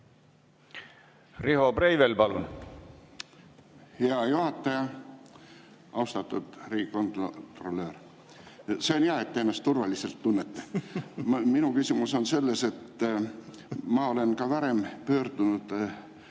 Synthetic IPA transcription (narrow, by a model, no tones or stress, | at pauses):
rihoprejvelpɑlun | heɑjuhɑt̪ːˑɑjɑ | ʔɑwst̪ɑt̪ːˑud̪̥riːɡiko̞nt̪t̪ro̞lːø̞ːr | seonjæɑet̪ːeenːɑst̪ːurvɑlise̞lt̪ːunːet̪ːe | minukysimuso̞nse̞lːe̞se̞t̪ː | mɑo̞le̞nkɑvɑɾe̞mpø̞ːrd̪̥unud̪̥